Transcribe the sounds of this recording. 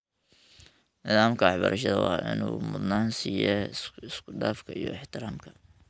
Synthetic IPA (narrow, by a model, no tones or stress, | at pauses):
nɪðaːmkʰɐɑħbɐɾʔɐʃɐðɐwɑ̰ːʔɪ̰nuːmʊd̪naːnsiːjɛɪskʰʊɖaːfkʰɐijɔ̰ɪħt̪ɪɾaːmkʰɐ̥